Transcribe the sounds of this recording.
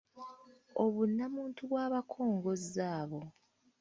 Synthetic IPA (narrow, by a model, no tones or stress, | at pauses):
oβunːamuːntʰuβwaːβakʰo̞ːŋɡo̞zaːβo̞